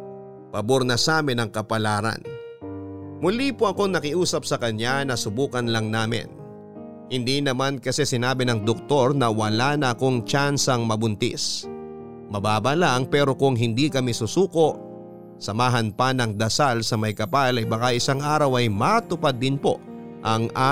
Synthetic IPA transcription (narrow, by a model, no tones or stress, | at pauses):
pɐboɾnɐsaːmɪnɐŋkɐpɐlaːɾɐ̰n | mʊlipoʔɐko̞ŋnɐkɪʔuːsɐp̚sɐkɐɲanɐsʊbuːkɐnlɐŋnaːmɪ̰n | hɪnd̪inɐmankɐsɛsɪnaːbɪnɐŋd̪ok̚t̪o̞ɾnɐwɐlaːnɐʔɐko̞ŋt͡ʃansɐŋmɐbʊnt̪ḭs | mɐbaːbɐlaŋpɛːɾo̞kʊŋɦɪnd̪ikɐmisʊsuːko̞ʔ | sɐmaːɦɐnpɐnɐŋd̪ɐsalsɐmɐjkɐpalɐjbɐkaʔɪsaŋʔaːɾɐwɐjmat̪ʊpad̪ːɪnpo̞ | ʔɐŋʔa